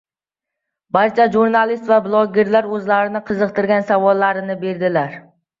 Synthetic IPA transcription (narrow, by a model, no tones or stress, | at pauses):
baɾt͡ʃʰaʒuɾnalɪst̪vablˠɒɡʲeɾlaɾɵzlaɾɪnɪqʰɨzɨqt̪ʰɪɾɡʲansavɒlˠːaɾɪnɪbe̞ɾd̪ɪlaɾ